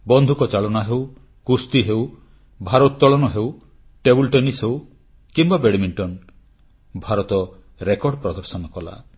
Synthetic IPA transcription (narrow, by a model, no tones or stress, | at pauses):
bɔnd̪ʱukɔt͡ʃaɭɔnaɦew | kust̪iɦew | bʱaɾɔt̪tːɔɭɔnɔɦew | ʈebulʈɔnisɦew | kimbabeɽimiɳʈɔn | bʱaɾɔt̪ɔ | ɾekɔɖpɾɔd̪ɔɾsɔnɔkɔla̰